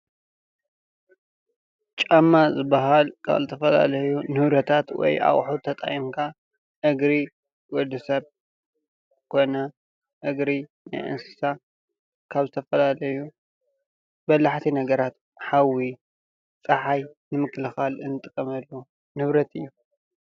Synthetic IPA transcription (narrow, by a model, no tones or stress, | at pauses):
t͡ʃʼamːazɨbːaɦalkʰa̰βzɨt̪ʰɐfɐla̰lɐjunɨβɾɐt̪ʰat̪wɔ̰jʔa̰χʼħut̪ʰɐt̪ʼa̰jimkʰa | ʔɨɡɾi | wɔd̪ɨsɐβ | kʰo̞jna | ʔɨɡɾi | na̰jʔɨ̰nsɨ̥sa | kʰaβzɨt̪ʰɐfɐlalɐju | bɐlaħt̪ʰinɐɡɐɾat̪ | ħawi | t͡sʼɐħajnɨmɨkːɨlɨxalɨnːɨt̪ʼɨkʼɐmɐlːu | nɨβɾɐt̪ɨjːu